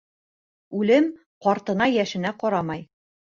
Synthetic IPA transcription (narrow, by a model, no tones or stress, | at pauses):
ʉlɘm | qɒɾt̪ɤ̆nɑjæʃɘ̆næqɒɾɑmɑj